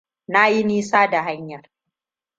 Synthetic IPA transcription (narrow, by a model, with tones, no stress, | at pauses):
na˦ji˦niː˦saː˦da˨ɦa˦ɲjɐ˨r